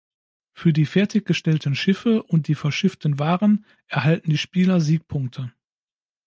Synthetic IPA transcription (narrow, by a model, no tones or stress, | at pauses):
fyːɐdiːfɛɐtɪçɡ̥əʃtɛltn̩ʃɪfəʔʊnt̚d̥iːfɛɐʃɪftn̩vaːʁən | ʔɛɐɦaltn̩diːʃpiːlɐziːk̚pʰʊŋk̚tʰə